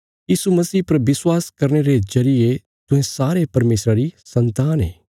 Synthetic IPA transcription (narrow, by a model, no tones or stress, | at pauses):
jiːsumɐsiːpɐɾʋɪswaːskɐɾneɾezɐɾije | t̪ʊ̃ɦẽsaːɾepɐɾmeːsɾaɾisɐ̃nt̪aːnɦeː